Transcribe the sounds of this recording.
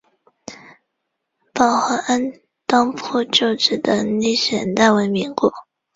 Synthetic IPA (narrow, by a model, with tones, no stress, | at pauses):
pɑ˨˩ʊxa˧˥ʔa˥n | t̪ɑ˥ŋpʰu˥˧t͡ɕjo˥˩ʊʈ͡ʂɻ̩˨˩d̪ə˧˦ni˥˩ɕɥɛ˨˩nt̪a˥˩ɪwe˧˥ɪmi˧˥ŋkwɔ̰˨˩˦